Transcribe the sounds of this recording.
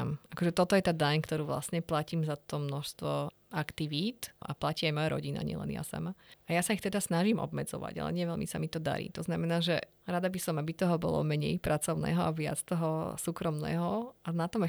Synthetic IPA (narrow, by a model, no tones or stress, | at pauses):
makɔʒɛt̪ɔt̪ɔjɛt̪aːd̪aɲkt̪ɔɾuːʋla̰sɲɛplaciːmzat̪ɔmnɔʃst̪ʋɔ | akt̪iʋiːt̪ʔa̰placiːajmɔjaɾɔ̰ɟina̰ɲɪɛ̰lɛ̰nɪja̰sa̰maajasaixt̪ɛd̪asnaʒimʔɔ̰bmɛd͡zɔ̰ʋa̰ɟa̰lɛ̰ɲɪɛʋɛlmḭsamit̪ɔd̪a̰ɾḭːt̪ɔznamɛnaːʒɛ | ɾad̪abisɔmabit̪ɔɦɔbɔ̰lɔ̰mɛɲɛjpɾʔat͡sɔʊnɛ̰ːɦɔaʋɪa̰t͡st̪ɔɦɔsuːkɾɔmnɛ̰ːɦɔanat̪ɔmɛ